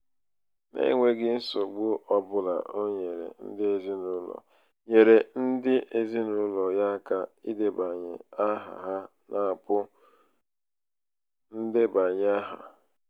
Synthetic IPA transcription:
nḛ˦˨ŋʷe˦ɡɪ˦n̩˦so˨ɡ͡bʊ˦ʔɔ˦bʊ˦la̰˨ʔo˦ɲe˨ɾḛ˨n̩˦dɪ˦e˦zi˦nʊ˦lɔ̰˨ | ɲe˨ɾe˨n̩˦dɪ˦ʔe˦zi˦nʊ˦lɔ˨ja˦ka˦i˦de˦ba˨ɲɪ˨a˦ɦa̰˨ɦa˦ | nʔa˨pʊ˦ | n̩˦dɪ˦ba˨ɲ˦a˦ɦa̰˨

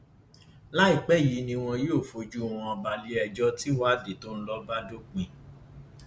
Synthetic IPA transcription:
la˦i˦˨k͡pɛ˨˦˨ji˨˦nĩ˧w̃ɔ̃˧jo˦˨fo˨˦d͡ʒu˦˨w̃ɔ̃˧ɔ˧ba˧li˦ɛ˧d͡ʒɔ˦ti˦wa˦de˨to˦n̩˦lɔ˧ba˦do˦k͡pĩ˧

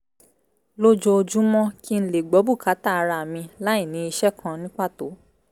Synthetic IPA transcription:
lo˦d͡ʒo˧o˧d͡ʒũ˦mɔ̃˦ki˦n̩˦le˨ɡ͡bɔ˨˦bu˦˨ka˨˦ta˦˨a˧ɾa˧˨mĩ˧la˦i˦˨nĩ˨˦i˧ʃɛ˦kʰã˧nĩ˦k͡pa˦˨to̰˨˦

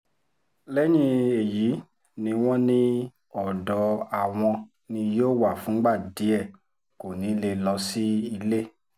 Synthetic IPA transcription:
lɛ˦nĩ˧e˨ji˨˦ | nĩ˧w̃ɔ̃˦nĩ˧ | ɔ˨dɔ˨˦a˨w̃ɔ̃˧ | nĩ˧joː˦˨wa˦˨fũ˨˦ɡ͡ba˦˨di˨˦ɛ˦˨ | ko˨nĩ˨˦le˧lɔ˧si˦i˧le˦

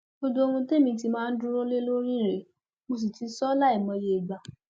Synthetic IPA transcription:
o˧do˧o˧ũ˧te˦˨mĩ˧ti˧mãː˦˧n̩˦dũ˦ɾo˦le˦lo˦ɾi˦˨ɾe˨˦ | mo˧s̬i˨ti˧˦sɔ˦la˦i˦˨mɔ̃˧je˧˨i˨ɡ͡ba˨

